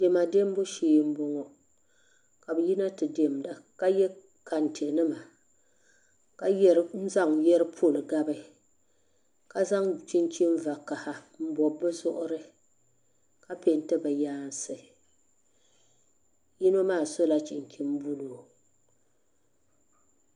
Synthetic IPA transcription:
de˨ma˨de˦m˦bʊ˦ʃeː˨˦m̩˦bɔ˦ŋɔ˦ | ka˨bɨ˨ji˦na˦tɨ˨de˨m˨da˨ka˦jɛ˦ | ka˨ntʰe˨nɨ˦ma˨ | ka˦jɛ˦ɾn̩˦za˦ŋ˨jɛ˦ɾɨ˦pʰo˦˨lɨ˨ɡa˦bɨ˦ | ka˦za˦ŋt͡ʃi˦nt͡ʃi˦m˦va˨ka˨ha˦ | m̩˦bɔ˨bɨ˦zʊ˦ʔʊ˦ɾɨ˦ | ka˦pe˨n˦tɨ˦bɨ˨jaː˦n˦sɨ˨ | ji˦no˦maː˦˨so˦la˦t͡ʃi˨nt͡ʃi˦m˦bu˦loː˨

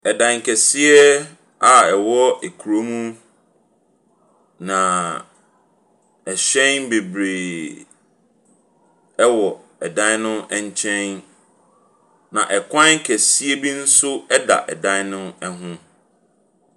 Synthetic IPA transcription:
ɛ˨dã˨ŋ˨kʰɛ˨si˦ɛ˦ | a˨ɛ˨wɔ˦e˨kʰu˨ɾo˦mũ˦ | nã˨ | ɛ˨ɕɛ̃˦nbe˨bɾe˨ | ɛ˦wɔ˨ | ɛ˨dã˦nʊ̃˦ɛ˦ɲ˦t͡ɕʰɛ̃˦n | nã̰˨ʔɛ˨kʰʷã˦kʰɛ˨si˦ɛ˦bi˦n̩˦sʊ˦ɛ˦da̰˨ʔɛ˨dã˦n˦nʊ̃˦ɛ˦ɦʊ̃˦

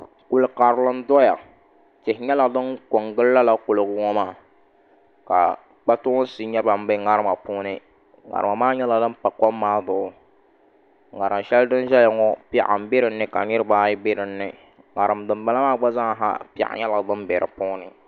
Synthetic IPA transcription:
kʊ˨lɨ˨ka˨ɾɨ˨lɨ˦n˦dɔ˦ja̰˨ | tɪ˨hɲɛ˦lɨ˨ɡdɨ˦nko˨ŋɡɨ˦lːa˦la˦kʊ˨lɨ˨ɡʊ˨ŋɔ˦maː˦˨ | ka̰˨ | k͡pa˦tʊ˦ʊ˦si˨ɲɛ˦ba˨m˦bɨ˦ŋa˦ɾɨ˦ma˨pʊ˦nɨ˦ | ŋa̰˨ɾɨ˨ma˨maː˦ɲɛ˦la˨dɨ˦m˦pa˨kɔ˦mːaː˦dʊ˨ʊ˨ | ŋa˨ɾɨ˨mʃɛ˦ldɨ˦nʒɛ˦la˨ŋɔ˦pʔa̰˨m˨bɪ˦ɾɨ˨nːɨ˦ka˨ɲɨ˦ɾɨ˦baː˦jɪ˦bɪ˦ɾɨ˨nːɨ˨ | ŋa̰˨ɾɨ˨mdɨ˨mba˦la˦maː˦ɡ͡ba˦za˦ŋ˨ɦa̰˦pʔa̰˨ɲɛ˦lɨ˨ɡdɨ˦nbɛ˨ɾɨ̰˨pʊ˦nɨ˨

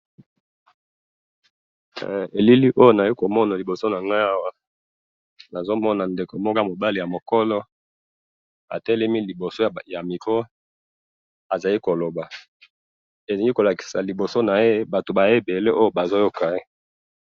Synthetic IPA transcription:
e˨li˦li˦ʔo˦jo˦na˨i˦ko˨mɔ˦na˨li˨bo˨so˦na˨ŋɡa˦a˦wa˦ | na˨zo˦mɔ˦na˨nde˨ko˨mo˦ka˦˨mo˨ba˦li˨ja˨mo˨kɔ˦lɔ˦ | a̰˨tɛ˦lɛ˦mi˦li˨bo˨so˦˨ja˨mi˨ko˦ | a˨za˨li˦ko˨lo˨ba˨ | e˨zi˨ŋɡi˦ko˨la˨ki̥˨sa˨li˨bo˨so˦na˨e˦ba˨to˨ba˨e˦be˨le˦ʔo˦jo˦˨ba˨zo˦jo˦ka˨e˦

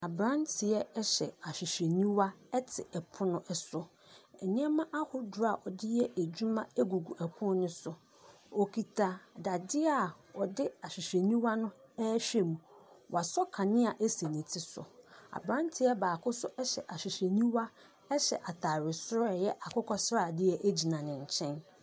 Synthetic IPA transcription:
a˨bɾã˦ntʰɪ˨ɛ˦ɛ˦ɕɛ˨a˨ɕᶣɪ˨ɕɛ˨nĩ˦wa˦ɛ˦tʰɪ˨ɛ˨pʰʊ˦nʊ̃˦ʔɛ˨sʊ˦ | ɛ˨ɲɪ̃˦ɛ˦mã˦ʔa˦hʊ˦dʊ˨ɾa˨ʔɔ˨dɪ˦jɛ˦æ˨d͡ʑu˦mã˦ɛ˦ɡu˨ɡu˨ʔɛ˨kʰʊ̃˦n˦nʊ̃˦sʊ˨ | o˨kʰi˨tʰa˨da˨dɪ˦a˨ɔ˨dɪ˦a˨ɕᶣɪ˨ɕɛ˨nĩ˦wa˦nʊ̃˦ɛ˦ɕᶣɛ˦mũ˨wʔa˨sɔ˦kʰã˨nɪ̃˦a˨ʔæ˦se˨nɪ̃˨tʰɪ˦sʊ̰˨a̰˨bɾã˦ntʰɪ˨a˦baː˨kʰʊ˦sʊ˦ɛ˦ɕɛ̰˨ʔa˨ɕᶣɪ˨ɕɛ˨nĩ˦wa˦ | ɛ˦ɕɛ̰˨ʔa˨tʰa˨ɾɪ˨sʊ˦ɾɔ˦˨jɛ˦ʔa˨kʰʊ˦kʰɔ˦sɾa˦˨dɪ˦ɛ˦ʔæ˦d͡ʑi˨nã˨nɪ̃˨ɲ˨t͡ɕʰɛ̃˦n

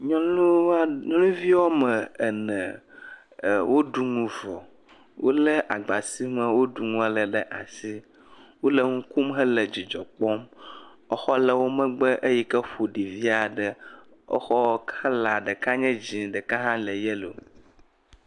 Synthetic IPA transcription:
ɲɔ̃˦lu˦ɲɔ̃˦lũ˦vi˦wɔ˦mə˨ɛ˨nɛ̃˨ | wo˦ɖu˨ŋũ˨vɔ˨ | wo˦lɛ˦ʔa˨ɡ͡ba˨si˦mə˨wo˦ɖu˨ŋũ˦a˦lə˨ɖə˦ʔa̰˨si˦ | wo˦lə˦ŋũ˦ku˦mɦə˦lə˨d͡ʑi˨d͡ʒɔ˨k͡pɔ˦m | ɔ˦xɔ˦lə˨wo˦mə̃˦ɡ͡bə˦ʔə˦ji˦kə˦ɸo˨ɖi˨vi˦a˨ɖə˨ | ɔ̰˦xɔ˦kʰa˦la˨ɖə˨ka˦ɲɛ̃˦d͡ʑĩ˨ɖɛ˨ka˦ɦã˦lə˨jɛ˦lo˨

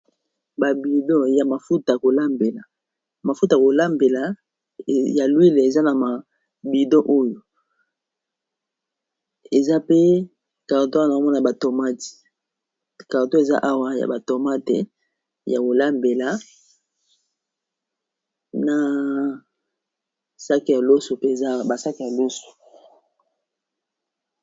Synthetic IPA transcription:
ba˨bi˨do˦ja˨ma˨fu˦ta˨a˨ko˨la˦mbe˨la˨ | ma˨fu˦ta˨ko˨la˦mbe˨la˨ | ja˨lwi˦le˨e˨za˦na˨ma˨ | bi˨do˦ʔo˦jo˨ | e˨za˦pe˦ | ka˨ʁto˦˨na˨o˨˦ɔ˦na˨a˨ba˨to˨ma˦ti̥˨ | ka˨ʁto˦e˨za̰˦ʔa˦wa˦ja̰˨ba˨to˨ma˦te˨ | ja˨wo˨la˦mbe˨la˦ | na˨ | sa˦ki˨ja˨lo˦so˨pe˦e˨za˦ba˨sa˦ki˨ja˨lo˦so̥˨

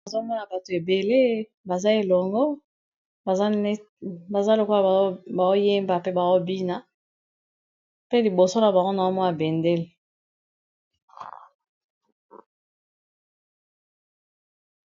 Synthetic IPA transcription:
a˨zo˦mɔ˦na˨ba˨to˨e˨be˨le˦ | ba˨za˦e˨lɔ˨ŋɡɔ˦˨˦ | ba˨za˦lo˨ko˦a˨˦ba˨zo˦je˦mba˨pe˦ba˨o˦bi˦na˦ | pe˦li˨bo˨so˦na˨ba˨ŋɡo˦na˨zo˦mɔ˦na˨be˨nde˦le˨

